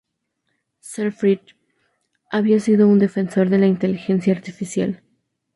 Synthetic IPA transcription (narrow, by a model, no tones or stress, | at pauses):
seɾfɾit̪ | aβiasiðo̞und̪e̞fe̞nso̞ɾðe̞laint̪e̞lixe̞nsjaːɾt̪ifisja̰l